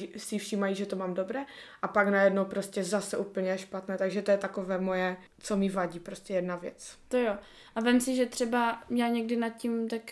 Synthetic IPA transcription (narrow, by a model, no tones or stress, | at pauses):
sɪfʃiːmajiʒɛt̪omaːmdobɾɛːʔapaknajɛdno̞wpɾoscɛzasɛʔuːpl̩ɲɛɛʃpat̪nɛːt̪aɡʒɛt̪ojɛt̪ako̞vɛːmojɛ | t͡somɪvaɟiːpɾoscɛjɛdnavjɛ̰t͡st̪ojo | ʔavɛmsɪʒɛt̪r̝̥ɛbajaːɲɛɡ̚dɪnat̪̚cimt̪ak